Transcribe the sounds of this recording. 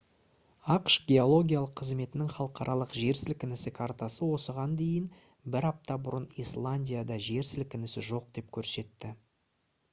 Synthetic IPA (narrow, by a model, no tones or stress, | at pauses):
ɑqʃɡʲe̞o̞lˠo̞ɡʲijalˠəqʰːəzme̞t̪ɪnɪŋχɑlˠəqʰɑɾʔɑlˠəqʒe̞ɾsɪlkʲɪnɪsɪkʰart̪asəwo̞səʁɑnd̪e̞jɪn | bɪɾɑp̚t̪ɑbʊɾənislˠanʲdʲijad̪ɑʒe̞ɾsɪlkʲɪnɪsɪ̰ʒo̞q̚d̪̥e̞pkʲʰɵɾse̞t̪ːɪ